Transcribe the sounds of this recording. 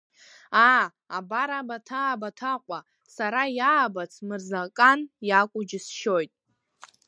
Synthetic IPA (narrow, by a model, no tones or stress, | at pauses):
a | abaɾabatʰaːbatʰaqʷʼa | saɾajaːbat͡sʰmɨrzakʼanjakʷʼʊd͡ʒɪsʃo̞jtʼ